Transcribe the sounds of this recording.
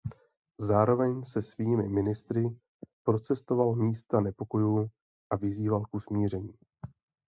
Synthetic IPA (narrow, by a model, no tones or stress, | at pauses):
zaːɾo̞vɛɲsɛsviːmɪmɪnɪst̪ɾɪ | pɾo̞t͡sɛst̪o̞valmiːst̪anɛpo̞ko̞juː | ʔavɪziːvalkusmiːr̝ɛɲiː